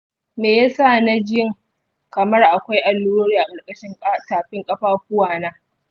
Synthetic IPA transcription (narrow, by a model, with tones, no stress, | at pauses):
meː˨ja˦sa˦˨na˦d͡ʒɪ˦jɪ˦ŋ | kɐ˨mɐ˦rʔa˨kʷa˦jʔa˨lːuː˦ɽoː˦ɽiː˦ʔa˨kʼɐ˨rkʼɐ˦ʃɪ˦ŋ˦taː˨ɸɪ˦ŋkʼɐ˦ɸaː˦kʷʊ˦waː˨naː˦